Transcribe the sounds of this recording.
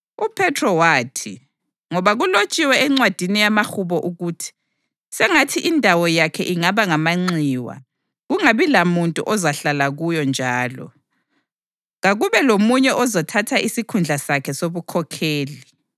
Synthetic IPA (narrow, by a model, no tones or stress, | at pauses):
upʰɛtʰrɔwaːtʰi | ŋɔβaɣulot͡ʃʼiwɛɛŋ͡ǀwad̥ʱinijamaxuβɔʔuɣutʰi̥ | sɛŋatʰiʔindʱawɔjakʰɛʔiŋaβaŋamaŋ͡ǀiːwa̰ | ɣuŋaβilamuntʼṵʔɔzaɬalaɣujɔnd͡ʒʱaːlɔ̰ | ɣaɣuβɛlomuɲɛʔɔzɔtʰatʰaʔisikʰund͡ɮʱasakʰɛsoβukʰɔkʰeːli